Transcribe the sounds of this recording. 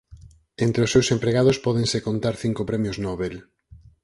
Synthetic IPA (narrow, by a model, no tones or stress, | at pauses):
ent̪ɾeʊsːewsempɾeɣað̞ʊspɔðẽŋsekont̪aɾθiŋkopɾɛmjoznɔβel